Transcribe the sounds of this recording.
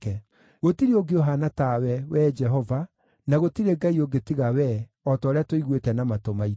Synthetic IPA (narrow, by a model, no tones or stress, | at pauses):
kɛ | ɣotiɾioɡeoɦanatawɛwɛd͡ʒɛɦɔva | naɣotiɾeɡaioɡetiɣawɛ | ɔtɔːɾeatoiɣwetɛnamatomai